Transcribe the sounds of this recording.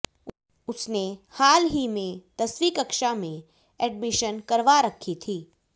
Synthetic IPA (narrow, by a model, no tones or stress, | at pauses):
ʊsnehaːlɦimẽt̪ɐswiːkəkʃamẽ | ɛɖmɪʃənkɐɾʋaɾɐkʰːit̪ʰiː